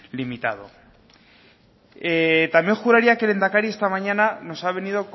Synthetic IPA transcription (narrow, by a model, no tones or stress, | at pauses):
limit̪að̞o̞̰ | et̪amje̞ŋxuɾaɾiakele̞nt̪akaɾie̞st̪amaɲanano̞saβ̞e̞nið̞o̞k